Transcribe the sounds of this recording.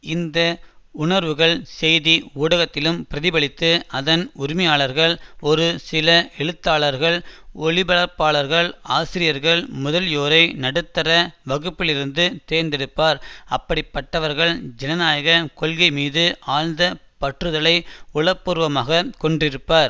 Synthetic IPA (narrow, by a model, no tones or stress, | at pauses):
ɪnd̪ɐ | ʊɳɐɾʋɯɣɐɭsɛjðiuːɽɐɣɐt̪ːɪlɯmpɪɾɐðɪbɐɭɪt̪ːɯɐðɐnʊɾɪmɐjaːɭɐɾɣɐɭɔɾɯsɪlɐʔɛɻɯt̪ːaːɭɐɾɣɐɭɔɭɪbɐɭɐɾpːaːɭɐɾɣɐɭaːsɪɾɪjɐɾɣɐɭmʊðɐljoːɾɐɪnɐɽɯt̪ːɐɾɐʋɐɣɯpːɪlɪɾɯnd̪ɯt̪eːɾnd̪ɛɽɯpːaːɾɐpːɐɽɪpːɐʈːɐʋɐɾɣɐɭd͡ʒɛnɐnaːjɐɣɐkɔlɣɐɪmiːðɯʔaːlnd̪ɐ | pɐʈrɯðɐɭɐɪʊɭɐpːuːɾʋɐmaːɣɐkɔɳɖrɪɾɯpːaːɾ